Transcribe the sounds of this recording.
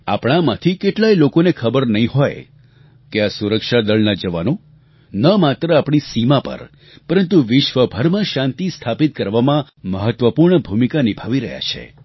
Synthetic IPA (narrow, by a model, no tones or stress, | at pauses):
apɽ̃amãt̪ʰikeʈlajlokonekʰəbəɾnəɦĩɦoj | keasuɾəkʃad̪əɭnad͡ʒəʋano | nəmat̪ɾəapɳ̃isimãpə̰ɾ | pəɾənt̪uʋɪʃʋəbʱəɾmãʃãnt̪ist̪ʰapit̪̚kəɾʋamã | məɦət̪ʋəpuɾɳəbʱumikanibʱaʋiɾəɦja̰t͡ʃʰḛ